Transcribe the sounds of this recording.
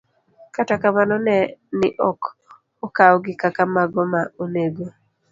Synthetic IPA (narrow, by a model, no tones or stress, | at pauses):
katakamanɔnɛnɪʔɔk | okawɔɡɪkakamaɡɔmaoneɡo